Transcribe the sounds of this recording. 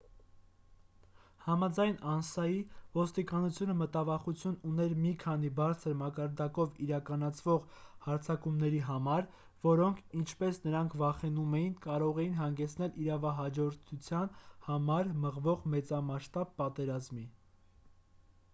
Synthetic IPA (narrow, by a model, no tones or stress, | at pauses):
hɑmɑd͡zɑjnɑnsɑjivɔst̪ikɑnut͡sʰjunəmət̪ɑvɑχut͡sʰjununɛɾmikʰɑnibɑɾt͡sʰəɾmɑkɑɾd̪ɑkɔviɾɑkɑnɑt͡sʰvɔʁhɑɾt͡sʰɑkumnɛɾiɦɑmɑɾ | vɔɾɔŋkʰint͡ʃʰpɛsnəɾɑŋkʰvɑχɛnumɛjinkɑɾɔʁɛjinɦɑŋɡɛt͡sʰn̪ɛliɾɑvɑɦɑd͡ʒɔɾt̪ʰut͡sʰjɑnhɑmɑɾməʁvɔʁmɛt͡sɑmɑʃt̪ɑb̚ːɑt̪ɛɾɑzmi